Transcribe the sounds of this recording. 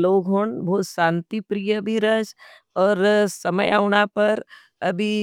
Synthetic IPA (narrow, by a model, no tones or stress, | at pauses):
loːɡɦoɳbʱoːt̪ʃãːnt̪ipɾijəbʱiɾəd͡ʒ | ɔːɾsɐməjaːʊɽ̃apɐɾ | ɐbʱi